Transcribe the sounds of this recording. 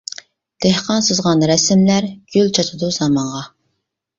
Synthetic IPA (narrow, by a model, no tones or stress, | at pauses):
d̪̥ehqɑnsɨzʁɑnɾɛsɪmlæɾɡ̥ʲylt͡ʃʰɑt̪ʰɨd̪uz̥ɑmɑɴʁɑ